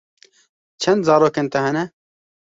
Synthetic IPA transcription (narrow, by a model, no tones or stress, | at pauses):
t͡ʃʰɛnd̪zɑːɾoːkeːnt̪ɐɦɛnɛ